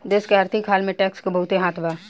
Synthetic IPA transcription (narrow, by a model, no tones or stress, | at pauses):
d͡ʒeːskeɐɾt̪ʰɪkɦaːlmẽʈɛːkskebɐɦʊt̪eɦaːt̪ʰbaː